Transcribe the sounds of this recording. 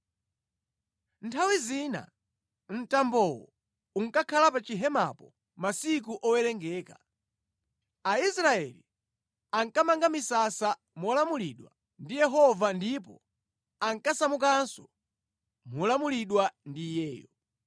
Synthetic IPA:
ntʰawizina̰ | n̩tambɔwɔ̰ | uŋkakʰalapat͡ʃiɦɛma̰pɔ | masik̬uʔɔwɛlɛŋɡɛːka | aisɾaɛ̰li | aŋkamaŋɡamisasa | mɔlamuliɗwa̰ | ndijɛɦɔvandip̬ɔ̰ | aŋkasamukansɔ̥ | mɔlamuliɗwandiːjɛːjɔ

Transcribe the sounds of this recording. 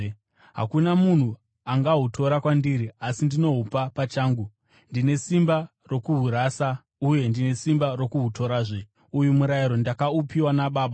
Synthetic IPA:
ɦa̰kunamun̤u | aŋɡaɦutʰo̞ɾakwandiɾiasindino̞ɦupapat͡ʃaːŋɡu | ndine̞simba | ro̞kuɦuɾaːsa | uje̞ndine̞simbaro̞kuɦutʰo̞ɾaːʐe | ujumuɾaiɾo̞ndakaupiwanaɓaːɓa

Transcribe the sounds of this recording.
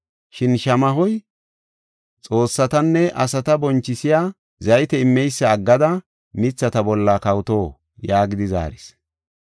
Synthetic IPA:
ʃɪnʃɐmɐɦɔj | t͡sʼo̞ːsːɐt̪ɐnːɛʔɐsɐt̪ɐbɔnt͡ʃːɪsɪjaː | zɐjt̪ɛɪmːɛjsːɐːɡːɐd̪ɐ | mɪt͡sːɐt̪ɐbɔlːakɐwt̪o̞ː | jaːɡɪd̪ɪza̰ːɾɪs

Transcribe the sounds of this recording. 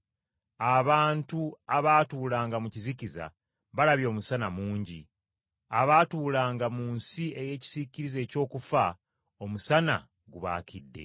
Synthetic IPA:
aβaːntuaβaːtuːlaːŋɡamuciziciza̰ | βalaβjo̞ːmusanamuːɲɟi | aβaːtuːlaːŋɡamunsie̞je̞ːci̥z̥iciɾize̞ːco̞ːkufa | o̞musana̰ | ɡuβa̰ːkʰidːe̞̰

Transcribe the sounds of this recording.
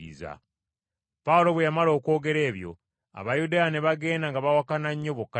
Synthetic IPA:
ḭza̰ | paulo̞βwejamalo̞ːko̞ːɡe̞ɾe̞ːβjo̞̰ | a̰βajudajane̞βaɡe̞ːndaŋɡaβawakanaɲːo̞βukːa

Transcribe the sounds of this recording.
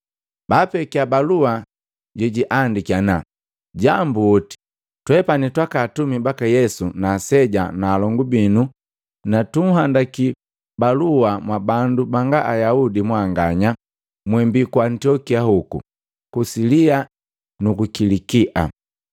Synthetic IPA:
bapɛkiabalua | ɟɔɟiʔandikiana | ɟambuɔti̥ | twɛpanitwakaːtumibakajɛsunaːsɛɟanaːlɔŋɡubinu | natum̩ɦandaki | baluamwabandubaŋɡaʔajaudimwaŋɡaɲa | mwɛmbikuantiɔkiahukṵ | kusilia | nukukilikiʔa̰

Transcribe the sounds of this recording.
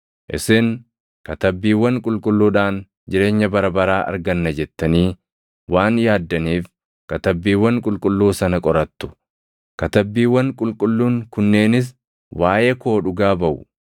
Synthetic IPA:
ʔɪ̰sɪn | kɐt̪ɐbːiːwːɐŋkʼʊlkʼʊlːuːᶑaːn | d͡ʒɪɾe̞ːɲːɐbɐɾɐbɐɾaːʔɐ̰ɾɡɐnːɐd͡ʒɛt̪ːɐniː | waːnjaːd̪ːɐniːf | kɐt̪ɐbːiːwːɐŋkʼʊlkʼʊlːuːsɐnɐkʼɔɾɐt̪ːʊ̥ | kɐt̪ɐbːiːwːɐŋkʼʊlkʼʊlːuːŋkʊnːe̞ːnɪs̬ | waːjeko̞ːᶑʊɡaːbɐʔʊ̰

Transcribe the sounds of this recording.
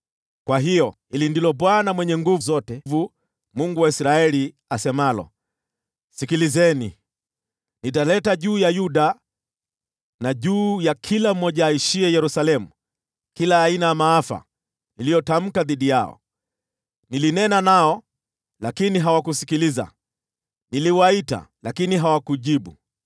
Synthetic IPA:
kwaɦijɔ | ilindilɔɓwanamwɛɲɛŋɡuvzɔtɛvu | muŋɡuwaisɾaɛli | asɛmalɔ̰ | sikilizɛni | nit̬alɛtaʄuːjajuɗa | naʄuːjakʰilam̩mːɔʄaːiʃiɛjɛɾusalɛmu | kilaːinajamaafa̰ | nilijɔtam̩kaðiɗijaɔ̰ | nilinɛnanaɔ | lakiniɦawakusikiliza̰ | niliwaita̰lakiniɦawakuʄiɓu

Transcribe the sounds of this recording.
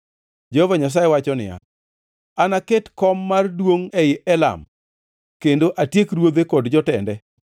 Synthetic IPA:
d͡ʒehovaɲas̬ajewat͡ʃɔnɪ̰ja̰ | anaketkɔmːardwoŋɛɪʔɛla̰m | kendoʔatjekɾwod̪ekɔdd͡ʒɔtɛndɛ

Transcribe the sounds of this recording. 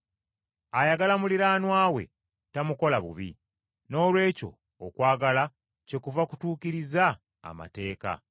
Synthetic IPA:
ajaɡalamuliɾaːnwaːwe̞̰ | tamuko̞laβṵβḭ | no̞ːlwe̞ːco̞̰ː | kwaːɡala | ce̞kuvaku̥tuːkiɾiza̰ː | ma̰te̞ːka̰

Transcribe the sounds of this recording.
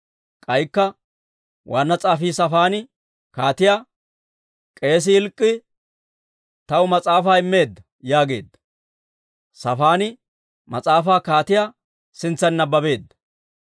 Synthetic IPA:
kʼɐjkːɐ | wʔaːnːɐt͡sʼaːfiːsɐfaːnɪ | kaːt̪ɪjaː | kʼe̞ːs̬ɪhɪlkʼːɪ | t̪ɐwʊmɐt͡sʼaːfaːɪmːe̞ːd̪ːɐ | jaːɡe̞ːd̪ːɐ̥ | sɐfaːnɪ | mɐt͡sʼaːfaːkaːt̪ɪjaː | sɪnt͡sːɐnːɐbɐbe̞ːd̪ːɐ̥

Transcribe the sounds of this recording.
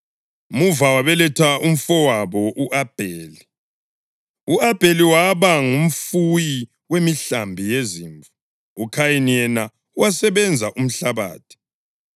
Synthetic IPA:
muvawaβɛlɛtʰaum̩fɔwaβɔʔuʔab̥ʱeːli | uab̥ʱeliwaβaŋum̩fuji | wemiɬambʱijeziːɱvu | ukʰajinijɛna | uwasɛβɛnd͡zʱaʔum̩ɬaβa̰ːtʰi̥

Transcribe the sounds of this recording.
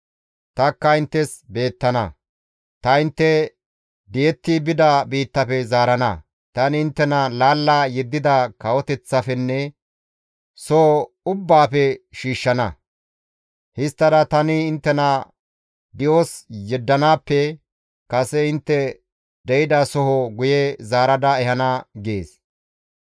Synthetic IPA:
t̪ɐkːɐɪnt̪ːɛsbe̞ːt̪ːɐnɐ̰ | t̪ɐɪnt̪ːɛ | d̪ɪjɛt̪ːɪbɪd̪ɐbiːt̪ːɐfɛzaːɾɐnɐ̰ | t̪ɐnɪɪnt̪ːɛnɐlaːlːajɛd̪ːɪd̪ɐkɐwɔt̪ɛt͡sːɐfɛnːɛ | soː | ʊbːaːfɛʃiːʃːɐnɐ̰ | hɪst̪ːɐd̪ɐt̪ɐnɪːnt̪ːɛnɐ | d̪ɪwosjɛd̪ːɐnaːpːɛ | kɐsɛɪnt̪ːɛ | d̪ɛjɪd̪ɐsɔɦɔɡʊjɛzaːɾɐd̪ɐɛhɐnɐɡeːs

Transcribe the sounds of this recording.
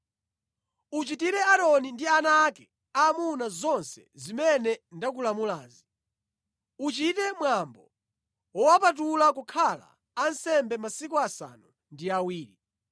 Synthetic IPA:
ut͡ʃitiɾɛaɾɔnindianaːkɛ̥ | amunazɔnsɛ̰zimɛnɛndak̬ulamulaːzi | ut͡ʃitɛmwambɔ | wɔwapat̬ulakukʰala̰ː | nsɛmbɛmasikuasa̰nu | ndiawiːɾi

